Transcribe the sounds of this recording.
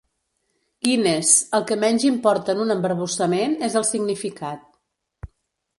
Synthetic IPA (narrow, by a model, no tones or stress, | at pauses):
kinezəlˠkəmɛnʲʒimpɔɾt̪əːnunəmbəɾβ̞usəmenezəlˠsiɡnifikat̪̚